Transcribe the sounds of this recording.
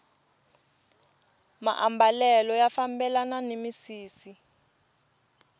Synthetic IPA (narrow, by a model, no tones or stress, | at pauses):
ma̰ʔambʱalɛlɔjafambɛlananemisiːsi